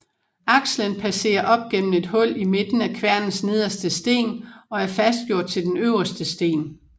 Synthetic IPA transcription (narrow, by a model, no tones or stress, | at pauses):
ʔɑ̈ɡ̥slənpʰæse̝̰ːɐʔɒ̽b̥̚ɡ̥en̰m̩e̝d̥ɦɔ̽l̰ime̝d̥n̩ækʰʋæɐ̰nn̩sne̝ð̞ˠɐsd̥əsd̥e̝̰ːnɒ̽æɐfæsd̥̚ɡ̥jo̝ɐ̰d̥̚t͡sʰe̝ld̥enøʊ̰ɐsd̥əsd̥e̝̰ːn